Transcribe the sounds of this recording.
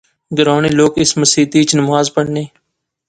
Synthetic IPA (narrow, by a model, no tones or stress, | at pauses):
ɡəɾaːneːloːkɪsməsiːt̪iːt͡ʃnəmaːzpəɽneː